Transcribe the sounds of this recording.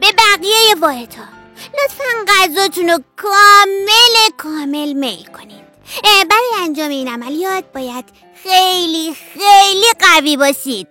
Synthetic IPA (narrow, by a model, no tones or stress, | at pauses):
b̥e̞bæɣijejevɒːhet̪ʰɒː | lot̪fænɢæzɔːt̪ʰunokʰɒːmelekʰɒːme̞lmḛlkʰo̞niːd̪̥bæɾɒːjeænd͡ʒɒːmeiːnæmælijɒːt̪̚bɒːjæd̪̥ | xejlixejliːɢæviːbɒːʃiːd̪̥